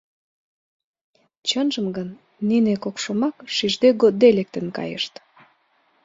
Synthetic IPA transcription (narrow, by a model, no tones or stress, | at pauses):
t͡ɕənʒə̆mɡənː | inekokʃomɑkʃiʒd̪eɡot̪̚ːelek̚t̪ə̆nkɑ̰jə̰ʃt̪